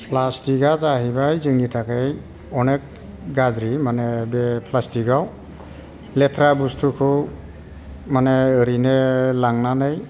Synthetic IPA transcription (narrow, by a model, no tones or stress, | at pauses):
pʰlastiɡazaɦibajzɯŋnitʰakej | ɔnek̚ | ɡazɾimanebepʰlastiɡaw | letʰɾabustʰukʰɯw | maneːɾinelaŋnanɯj